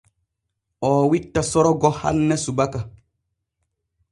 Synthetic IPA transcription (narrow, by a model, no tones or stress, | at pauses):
ɔːwitːasɔɾɔɡɔha̰lnɛsubaka